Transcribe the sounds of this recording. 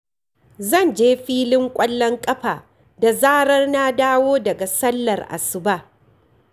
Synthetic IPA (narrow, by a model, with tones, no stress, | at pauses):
zɐ˦˨nd͡ʒeː˦ɸiː˦lɪ˦ŋkʷʼɐ˦lːɔ˦ŋkʼɐ˦ɸaː˨ | da˨zaː˦ɽɐ˦rna˦daː˦woː˦dɐ˨ɡa˨sɐ˦lːɐ˨rʔa̰˨sɪ˨baː˦˨